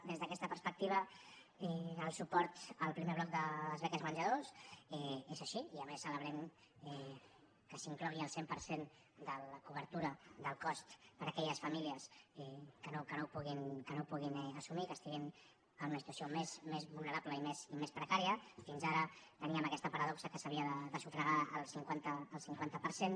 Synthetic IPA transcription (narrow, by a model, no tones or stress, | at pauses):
d̪ezðəkɛst̪əpəɾspək̚t̪iβ̞ə | ɛəlˠsupɔɾt̪əlˠpɾimeβlɔk̚d̪əəzβɛkəzmənʲʒəðosɛezəʃiiəmesːələβ̞ɾɛm | ɛ | kəsiŋklɔɣiəlˠsempəɾsen | d̪ələkuβəɾt̪uɾəd̪əlˠkɔst̪pəɾəkɛʎəsfəmiliəsɛkənokənopuɣinkənopuɣinɛəsumikəst̪iɣin | ənunəsit̪wəsiomezmezβulˠnəɾapləimesimespɾəkaɾiəfinzaɾət̪əniəməkɛst̪əpəɾəðɔksəkəsəβ̞iəðəðəsufɾəɣaəlˠsiŋkwant̪əːlˠsiŋkwant̪əpəɾsen